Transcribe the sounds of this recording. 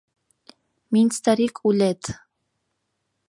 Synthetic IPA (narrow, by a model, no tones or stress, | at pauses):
mint͡sʰt̪aɾikʼulɛt̪ʰʼ